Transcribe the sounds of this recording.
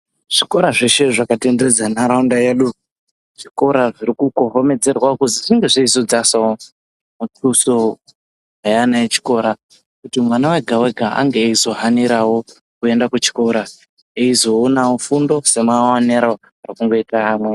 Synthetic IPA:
ʐ̥iko̞ɾaʐeʃe̞ʐakatended͡zanaɾaundajeɗu | ʐ̥iko̞ɾaʐiɾikukoɦo̞me̞d͡ze̞rwakuziʐiŋɡe̞ʐiizod͡zasawo | mut͡suso | ɦajanaet͡ʃi̥ko̞ɾa | kutimwanaweɡʱawe̞ɡʱaa̰ŋɡeizo̞ɦaniɾawo̞ | kue̞ndakut͡ʃi̥ko̞ɾa | eizo̞ːnawofundo̞se̞mwawaneɾao | arikuŋɡo̞itaːmwe

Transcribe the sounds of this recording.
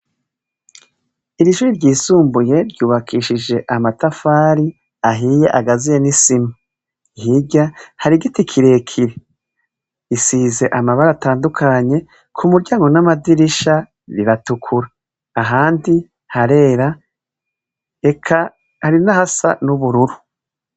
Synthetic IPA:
iɾiʃuːɾiɾɟiːsuːmbuje̞ɾɟuːβakʰiːʃid͡ʒe̞ʔamatafaːɾi | aɦiːje̞ʔaɡazijenisima | iɦiɟahaɾiɡitikʰiɾe̞ːkʰiɾe | isiːze̞ʔamaβaɾataːndukʰaɲe̞ | kʰumuɾɟaːŋɡo̞namadiɾiʃa | ɾiɾatukʰuɾaː | ɦaːndi | haɾe̞ːɾa | ekʰa | haɾinahasa̰nuβuɾuɾu

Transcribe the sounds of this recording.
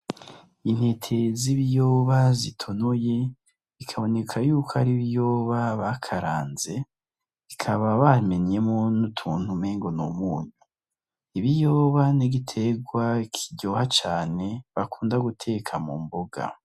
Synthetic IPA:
in̥he̞tʰe̞ziβijoβazitʰonoje | ikʰaβo̞ne̞kʰajuːkʰoaɾiβijo̞ːβaβakʰaɾaːnze̞ | ikʰaβaβame̞ɲe̞mo̞nutʰuːn̥humeːŋɡo̞nṵmuːɲu | iβijoːβaniɡitʰe̞ɡwakʰiɟohat͡ʃaːne̞βakʰuːndaɡutʰe̞kʰamṵmboɡa̰

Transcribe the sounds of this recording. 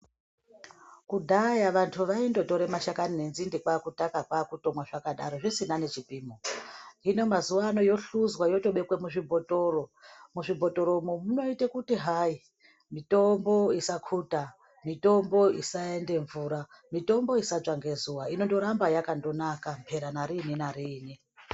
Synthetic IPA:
kudʱajaʋantʰuʋaindo̞to̞ɾe̞maʃakaninenzindikwakutakakwakuto̞mwaʐakaɗa̰ɾo̞ʐisinane̞t͡ʃipiːmoino̞mazuwaːno̞jo̞ɬuzwajo̞to̞ɓe̞kwemuʐibʱo̞to̞ːromuʐibʱo̞to̞ɾo̞mumuno̞itekutiɦai | mito̞mbo̞isakʰuta | mito̞mbo̞isaende̞ɱvuɾa | mito̞mbo̞isaʐaŋɡe̞zuwaino̞ndo̞ɾambajakando̞nakampʰe̞ɾanaɾininaɾiːni

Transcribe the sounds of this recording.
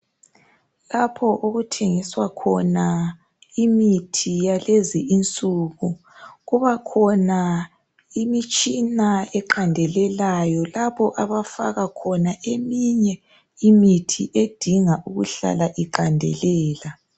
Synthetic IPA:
lapʰɔʔoɣutʰeŋiswakʰɔna | imitʰijaleziint͡sʼuɣu | ɣuβakʰɔna | imit͡ʃʼinaɛǃandʱɛlɛlajɔlaβɔʔaβafa̰ɣakʰɔnaʔemiɲɛ | imitʰḭʔed̥ʱiŋaʔuɣuɬa̰laʔiǃandʱɛ̰lɛːla

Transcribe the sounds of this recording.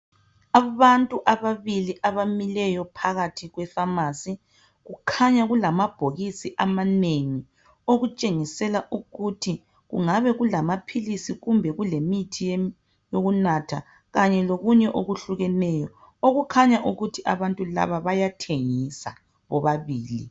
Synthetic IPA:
aβantʼuʔaβaβiliʔaβamilɛjɔpʰaɣatʰiɣwɛfamasi | ɣukʰaɲaɣulamab̥ʱoɣisiʔamaneŋi | oɣut͡ʃʼeŋisɛlaʔuɣutʰi | ɣṵŋaβɛɣulamapʰilisiɣumbʱɛɣulemitʰij | joɣunatʰa | ɣaɲɛloɣuɲɛʔoɣuɬuɣɛnɛjɔ | oɣukʰaɲaʔuɣutʰiʔaβantʼula̰βaβajatʰeŋisa̰ | βɔβaβiːlḭ

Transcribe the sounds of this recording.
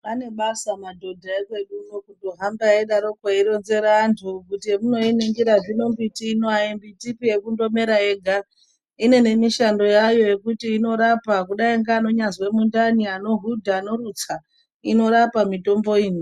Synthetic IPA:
pane̞ɓasamadʱo̞dʱaekwe̞ɗunokudoɦambaeɗaɾo̞kweiɾo̞nze̞ɾaːntʰukutimuno̞iniŋɡiɾaʐino̞mbitiːnoaimbitipije̞kundo̞me̞ɾaeɡʱa | ine̞ne̞miʃando̞jajo̞je̞kutiːno̞ɾapakuɗaiŋɡaːno̞ɲazwe̞mundaniano̞ɦudʱaːno̞ɾut͡sa | ino̞ɾapamito̞mbo̞iːni

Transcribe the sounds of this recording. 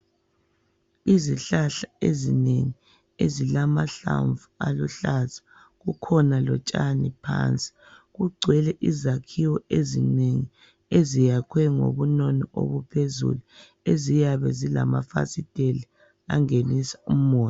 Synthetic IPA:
iziɬaɬaezineŋi | ezilamaɬa̰ɱvualuɬaz̥ḁ | ɣukʰɔnalɔt͡ʃʼanipʰa̰ːnt͡sʼi̥ | ɣuɡ͡ǀʱwɛlɛʔizakʰiwɔezineŋi | ezijakʰwɛŋo̰βunɔnɔʔo̰βupʰezṵlu | ezijaβɛzilama̰fa̰sid̥ʼʱeli | a̰ŋenisḁum̩ɔːt

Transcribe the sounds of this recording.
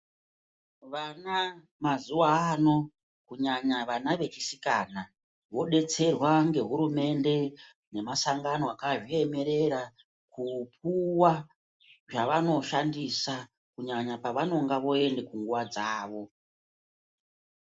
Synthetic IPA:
ʋana | mazuwaano̞ | kuɲaɲaʋanaʋe̞t͡ʃisikana | ʋo̞ɗe̞t͡se̞rwaŋɡe̞ɦuɾume̞nde̞ | ne̞masaŋɡanoakaʐie̞me̞ɾe̞ɾa | kup̚uwa | ʐaʋano̞ʃandisa | kuɲaɲapaʋano̞ŋɡaʋo̞e̞nde̞kuŋɡuʋad͡zaːʋo̞

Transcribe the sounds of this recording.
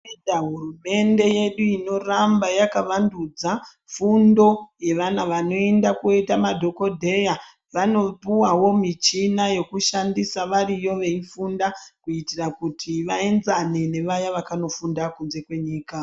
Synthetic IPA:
aɦurume̞nde̞je̞ɗuino̞rambajakaʋandud͡za | fundo̞je̞ʋanaʋano̞e̞ndakuetamadʱo̞ko̞dʱe̞ja | ʋano̞puwawo̞mit͡ʃinaje̞kuʃandisaʋarijo̞ʋe̞ifundakuitirakutʰiʋae̞nzanene̞ʋajaʋakano̞fundakunze̞kwe̞ɲiːka

